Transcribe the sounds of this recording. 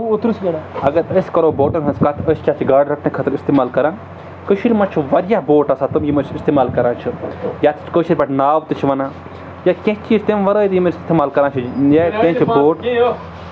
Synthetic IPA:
uut̪ɾusɡɐɽaɐɡɐɾəskɐɾoːboːʈɐnɦɐ̃nskat̪ʰəskʲaːt͡ʃʰiɡaːɖɾɐkʰnẽkʰɐt̪ɾist̪eːmaːlkɐɾãː | kəʃiɾimɐt͡ʃʰuʋɐɾjaboːʈɐsat̪umjimɐt͡ʃʰist̪eːmaːlkɐɾãːt͡ʃʰujat̪t͡ʃʰkəːʃiɾʲbɐʈnaːʋt̪ɨt͡ʃʰiʋɐnãː | jakẽɦt͡ʃiːzt̪emʋɐɾəːjt̪jimɐɾsist̪emaːlkɐɾãːt͡ʃʰijekẽt͡ʃʰiboːʈ

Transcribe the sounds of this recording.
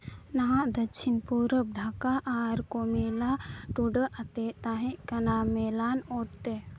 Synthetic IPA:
nɐɦãʔd̪ɐkʃʰinpuɾəp̚ɖʱaːkaʔaːɾkomelaʈuɖəʔɐt̪et̪aɦẽʔkɐnameːlanoːt̪ːe

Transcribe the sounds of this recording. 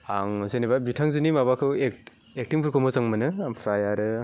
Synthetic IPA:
aŋzenebabitʰaŋzɯnimabakʰɯwek̚ | ek̚tiŋpʰɯɾkʰomozaŋmɯnɯampʰɾajaɾɯ

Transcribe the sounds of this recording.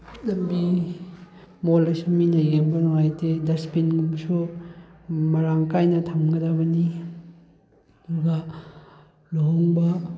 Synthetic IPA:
ɐdɐmbi | molɐsuminɐjeŋbɐnoŋajtedɐspinɡumsu | mɐɾaŋkajnɐtʰɐmɡɐdɐbɐni | ɐduɡɐ | luɦoŋbɐ

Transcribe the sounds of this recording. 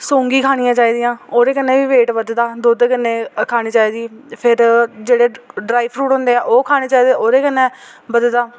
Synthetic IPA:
sõːŋɡiːkʰaːɽ̃ijãːt͡ʃaːiːd̪ɪjãːoːɾeːkənːẽːʋiːʋeːʈʋəd̪d̪aːd̪oːd̪kənːẽːkʰaːɽ̃iːt͡ʃaːiːd̪iːpʰɪɾd͡ʒeːɽeːɖɾaːiːpʰɾuːʈɦʊ̃nd̪eːaːʔoːkʰaːɽ̃eːt͡ʃaːiːd̪eoːɾeːkənːɛ̃ː | bəd̪d̪aː

